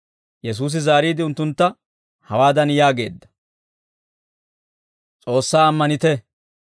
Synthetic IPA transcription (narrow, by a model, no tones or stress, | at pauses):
jɛs̬uːs̬ɪzaːɾiːd̪ɪʊnt̪ːʊnt̪ːɐ | hɐwaːd̪ɐnjaːɡe̞ːd̪ːɐ̥ | t͡sʼo̞ːsːaːɐmːɐnɪt̪ɛ